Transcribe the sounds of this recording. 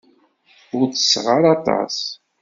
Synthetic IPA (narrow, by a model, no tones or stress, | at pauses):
ʊɾθə̥sːʁaɾɑt̪ˤɑ̰s